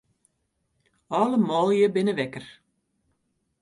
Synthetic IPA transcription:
ɑləmɔːlˠjəbɪnəʋɛkər

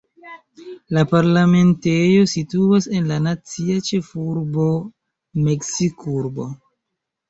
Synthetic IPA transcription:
lapaɾlame̞nte̞jo̞situase̞nlanat͡siat͡ʃe̞fuɾbo̞ | me̞ksikuɾbo̞̰

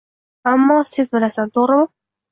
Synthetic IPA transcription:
amːɒːsezbɪlasant̪ʰoɾɪmɪ

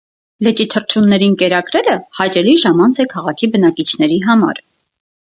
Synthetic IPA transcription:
lɛt͡ʃit̪ʰərt͡ʃʰunːɛɾinkɛɾɑkɾɛɾəhɑjt͡ʃɛliʒɑmɑnt͡sʰɛkʰɑʁɑkʰibənɑkit͡ʃʰn̪ɛɾiɦɑmɑ̰ɾ

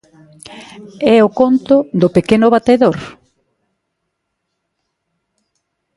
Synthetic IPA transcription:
ɛʊkont̪ʊd̪ʊpekenʊβat̪eðoɾ

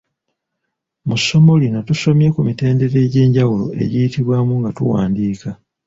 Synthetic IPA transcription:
muso̞mo̞lino̞tuso̞mje̞kumite̞ːnde̞ɾe̞ɟe̞ːɲɟawulo̞̰ʔe̞̰ɟijitiβwaːmuŋɡatṵwa̰ːndiːka

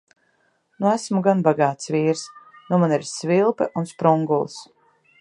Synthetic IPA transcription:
nuæsmuɡanbaɡaːt̪sviːɾsnumaniɾsvilˠpɛʔunspɾuŋɡulˠs

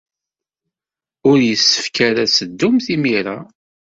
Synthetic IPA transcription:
ʊɾjəsːə̥fkaɾæsəd̪ːʊmθimiɾa

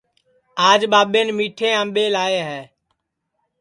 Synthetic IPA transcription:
aːd͡ʒɓaːɓeːnmiːʈʰẽːãːmɓeːlaːeːɦɛː

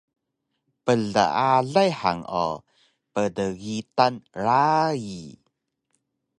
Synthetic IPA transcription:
pəɮə̰aɮajħa̰ŋo̰ | pədəɣitanɾaji

